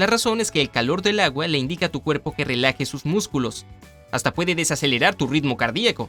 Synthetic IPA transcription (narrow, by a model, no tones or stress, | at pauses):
laraso̞ne̞ske̞ːlkalo̞ɾðe̞laɣwale̞ind̪ikat̪ukwe̞ɾpo̞ke̞re̞laxesuzmuskulo̞s | ast̪apwe̞ðe̞ðe̞sase̞le̞ɾaɾt̪urit̪mo̞kaɾðiako̞